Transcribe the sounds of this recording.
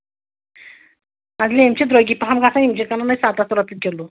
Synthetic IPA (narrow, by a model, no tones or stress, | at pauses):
ad͡zleimt͡ɕed̪ɾojɡiːpɦamɡasãimt͡ɕekananajsat̪asuɾat̪əkelo